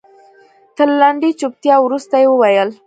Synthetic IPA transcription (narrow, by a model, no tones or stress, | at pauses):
t̪əɾlaɳɖit͡ʃup̚t̪jɑwɾust̪ajewəwajəl